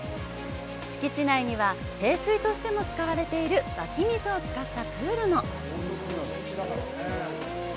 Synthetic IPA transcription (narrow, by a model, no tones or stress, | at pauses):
ɕi̥kʲit͡ɕinaiɲ̟iβa | se̞ːsɨit̪o̞ɕi̥t̪e̞mo̞t͡sɨ̥kaβaɾe̞t̪e̞iɾɯ̟bakʲimʲisɨot͡sɨ̥kat̪ːat͡sɨːɾɯno̞